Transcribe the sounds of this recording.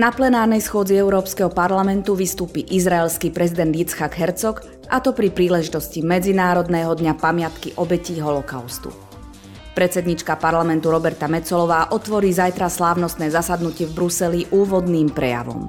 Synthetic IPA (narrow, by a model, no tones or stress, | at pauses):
naplɛnaːɾnɛjsxʊɔd͡ziɛʊɾɔːpskɛɦɔpaɾlamɛnt̪uʋist̪uːpiːʔizɾaɛlskiːpɾɛzid̪ɛnd̪jit͡sxaɡɦɛɾt͡sɔk | ʔat̪ɔpɾipɾiːlɛʒit̪ɔscimɛd͡zinaːɾɔd̪nɛːɦɔd̪ɲapamɪat̪kiʔɔbɛciːɦɔlɔkaʊst̪ṵ | pɾɛt̪t͡sɛd̪ɲit͡ʃkapaɾlamɛnt̪uɾɔbɛɾt̪amɛt͡sɔlɔʋaːʔɔt̪ʋɔɾiːzajt̪ɾaslaːʊnɔst̪nɛːzasad̪nucɪɛvbɾusɛliʔuːʋɔd̪niːmpɾɛja̰ʋɔ̰m